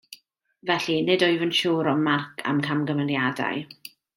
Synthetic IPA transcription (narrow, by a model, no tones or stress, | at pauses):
vɛɬinɨdɔjvənʃuːɾɔmarkʰa̰mkʰamɡəmənjada̰j